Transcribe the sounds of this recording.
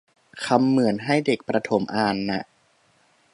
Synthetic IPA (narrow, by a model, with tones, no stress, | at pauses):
kʰa˧mːɯ˨˩˦ənɦa˥˩jde˨˩k̚pɾa˧t̪ʰo˩˦mʔaː˧˩nːa̰˧˩ʔ